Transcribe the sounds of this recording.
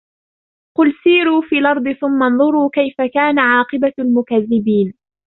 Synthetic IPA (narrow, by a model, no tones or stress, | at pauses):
qʊlsiːɾuːfiːlʔɑɾˤd̪ˤɨθʊmːanðˤʊɾuːkajfakaːnaʕɑːqɨbalmʊkaðːɪbiːn